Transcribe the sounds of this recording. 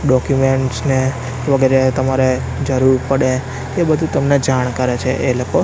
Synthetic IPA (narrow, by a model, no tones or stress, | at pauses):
ɖɔkjumeɳʈsne | ʋəɡeɾet̪əmaɾe | d͡ʒəɾuɾpəɽe | ebəd̪ʱũt̪əmned͡ʒaɳ̃kəɾet͡ʃʰḛʔeloko